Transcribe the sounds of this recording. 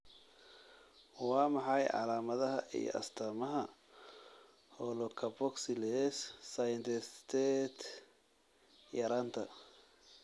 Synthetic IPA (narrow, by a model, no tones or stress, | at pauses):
wɑːmɑħɑjʕɑ̰laːmɐðɐɦɐʔḭjɔ̰ʔɐ̰st̪ʰɐːmɐɦɐ | hɔlɔkʰɐbɔksɪlɛsːɐjɪnt̪ʰɪst̪ʰɛt̪ | jɐɾaːnt̪ʰɐ